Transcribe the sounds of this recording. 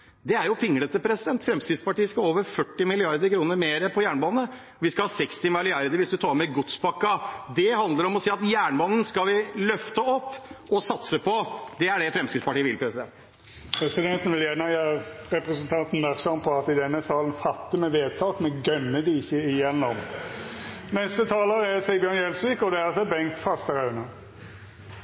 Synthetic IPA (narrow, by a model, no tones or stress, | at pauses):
d̪ɛæɾjʊpʰɪŋːəɽət̪əpʰɾɛsɪd̪ɛnt̪fɾɛmskɾɪspɑʈiːəskɑoːʋəɾfœʈːɪmɪlɪɑɾd̪əɾkʰɾuːnəɾmeːɾəpʰɔjæːɳbɑːnə | ʋɪskɑhɑːsɛkst̪ɪmɪlɪɑɾd̪əɾʋɪsd̪ʉt̪ʰɑːɾmɛɡʊt̪sbɑkːɑd̪ɛhɑnd̪əɾɔmɔsiːɑt̪jæːɳbɑːnən̩skɑʋɪlœft̪əɔpːɔsɑt̪səpʰɔd̪ɛæɖɛfɾɛmskɾɪspɑʈiːəʋɪlpʰɾɛsɪd̪ɛnt̪ | pʰɾɛsɪd̪ɛnt̪n̩ʋɪljɛnɑjæɾɛpɾəsənt̪ʰɑnt̪n̩mæɾksɔmpʰɔɑt̪ɪd̪ɛnːəsɑːln̩fɑt̪ːɪmɛʋeːd̪̚t̪ʰɑːk̪mɛɡœnːəd̪isəɪjɛnːɔm | nɛst̪ət̪ʰɑːləɾɛsɛbjønjɛlsʋikɔd̪ɛæɾɑt̪d̪ɛbɛŋkt̪fɑst̪əɾɑʉənə